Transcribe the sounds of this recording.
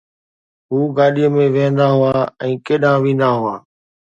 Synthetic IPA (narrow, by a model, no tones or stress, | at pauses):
ɦuːɡaːɗiːəmẽːʋẽːnd̪aːɦʊaːɛ̃ːkeːɗãːʋĩːnd̪aːɦʊaː